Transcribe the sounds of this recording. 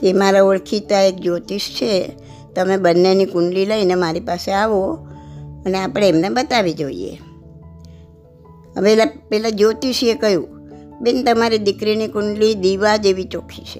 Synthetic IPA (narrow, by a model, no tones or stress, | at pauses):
emaɾaoɭkʰit̪aek̚d͡ʒot̪iʃt͡ʃʰe | t̪əmebənːenikʊɳɖliləinemaɾipaseaʋo | əneapɽ̃eːmnebət̪aʋid͡ʒoḭḛ | ə̰ʋeelapɛlad͡ʒot̪iʃekəjṵ̃bent̪əmaɾid̪ɪkɾinikʊɳɖlid̪iʋad͡ʒeʋit͡ʃokʰit͡ʃʰe